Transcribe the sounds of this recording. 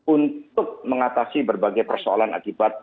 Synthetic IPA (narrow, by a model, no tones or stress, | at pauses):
unt̪ʊk̚məŋat̪asibərbaɡajpərsoa̰lana̰kibat̪̚